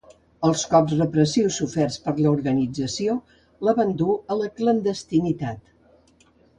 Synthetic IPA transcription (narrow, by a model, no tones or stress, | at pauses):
əlˠskɔpzrəpɾəsiwsufɛrspəɾləuɾɣənid͡zəsio | ləβənd̪uələklənd̪əst̪init̪at̪